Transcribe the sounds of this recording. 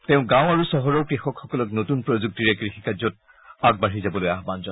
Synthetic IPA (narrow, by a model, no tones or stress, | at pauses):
teʊ̃ɡãʊ̃aɹusɔɦɔɹɔʊkɹixɔkxɔkɔlɔknotunpɹozuk̚tiɹɛkɹixikazɔt̚ | aɡ̚baɹizabɔlojaɦbanzɔn